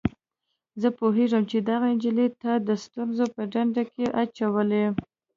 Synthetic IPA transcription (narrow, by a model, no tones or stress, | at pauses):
zəpoɦeʐəmt͡ʃed̪aɣaɪnd͡ʒilet̪ad̪əst̪unzopəɖaɳɖakeʔat͡ʃawəle